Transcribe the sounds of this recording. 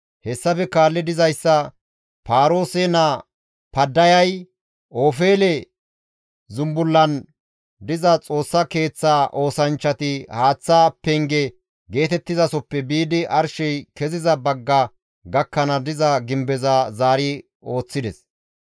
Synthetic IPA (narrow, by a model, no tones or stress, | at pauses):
hɛsːɐfɛkaːlːɛd̪ɪzɐjsːɐ | paːɾo̞ːsɛnɐ | pɐd̪ːɐjɐj | ʔoːfe̞ːlɛ | zʊmbʊlːɐn | d̪ɪzɐt͡sʼo̞ːsːɐke̞ːt͡sːaːʔo̞ːsɐnt͡ʃːɐt̪ɪhaːt͡sːaːpɛŋɡɛ | ɡe̞ːt̪ɛt̪ːɪzɐsɔpːɛbiːd̪ɪʔɐɾʃɛjkɛzɪzɐbɐɡːɐ | ɡɐkːɐnɐd̪ɪzɐɡɪmbɛzɐzaːɾɪ | o̞ːt͡sːɪd̪ɛs